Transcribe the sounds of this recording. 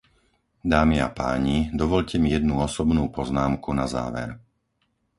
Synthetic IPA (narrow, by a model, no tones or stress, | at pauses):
d̪aːmia̰pa̰ːɲid̪ɔʋɔʎcɛmijɛd̪nuɔsɔbnuːpɔznaːmkunaza̰ːʋɛ̰ɾ